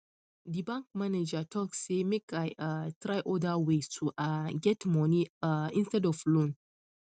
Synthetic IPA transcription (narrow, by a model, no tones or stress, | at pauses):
dibãŋk̚maned͡ʒatʰɔkssemekajʔatɾajʔɔdawestʰuʔaɡɛtmɔniɪ̃nstɛdɔflõn